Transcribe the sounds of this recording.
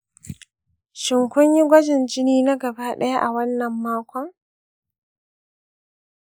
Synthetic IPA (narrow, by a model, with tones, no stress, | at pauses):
ʃɪ˨ŋkʷʊ˦ɲji˦ɡʷɐ˦d͡ʒɪ˨nd͡ʒɪ˦niː˦na˦ɡɐ˨baː˦ɗɐ˦ja˦ʔa˨wɐ˦nːɐ˨mːaː˦kʷɔ˦ŋ